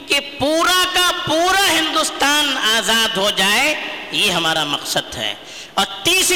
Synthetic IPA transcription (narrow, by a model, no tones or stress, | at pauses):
kipuːɾakapuːɾaɦɪ̃nd̪ust̪aːnaːzaːd̪ɦod͡ʒaːejeɦɐmaːɾamɐqsəd̪ɦɛ̰ː | ɔːɾt̪iːs